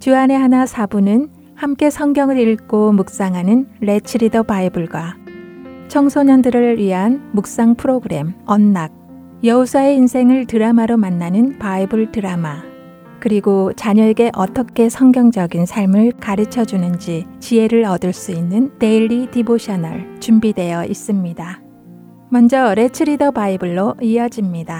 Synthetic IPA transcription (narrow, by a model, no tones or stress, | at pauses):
t͡ɕuane̞ɦanasʰabunɯn | hamk͈e̞sʰʌŋɡjʌŋɯɾiɭk͈omuk̚s͈aŋɦanɯnɾe̞t͡ɕʰiɾidʌbaibɯɭɡwa | t͡ɕʰʌŋsʰoɲʌndɯɾɯɭɥiɦanmuk̚s͈aŋpʰɯɾoɡɯɾe̞mʌnːaɡ̚ | jʌusʰae̞insʰe̞ŋɯɭtɯɾamaɾomanːanɯnpaibɯɭtɯɾama | kɯɾiɡot͡ɕaɲʌeɡe̞ʔʌt͈ʌkʰe̞sʰʌŋɡjʌŋd͡ʑʌɡinsʰaɭmɯɭkaɾɯt͡ɕʰʌd͡ʑunɯnd͡ʑit͡ɕie̞ɾɯɭʌdɯɭs͈uinːɯnte̞ʎːidiboɕʰʌnʌ̰ɭt͡ɕumbidwe̞jʌʔis͈ɯmɲida | mʌnd͡ʑʌɾe̞t͡ɕʰɯɾidʌbaibɯɭːoiʌd͡ʑimɲida